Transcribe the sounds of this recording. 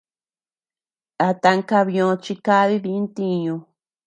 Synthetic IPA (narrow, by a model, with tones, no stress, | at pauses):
a˧t̪a˧ŋka˧βõ˧t͡ʃi˧ka˦˧βi˦βi˧˦nt̪i˦˧ɲũ˧